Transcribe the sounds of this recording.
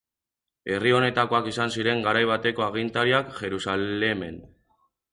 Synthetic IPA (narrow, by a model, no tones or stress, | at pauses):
e̞rio̞ne̞t̪ako̞akisansiɾe̞ŋɡaɾajβ̞at̪e̞ko̞aɣ̞int̪aɾiakʝe̞ɾusale̞me̞n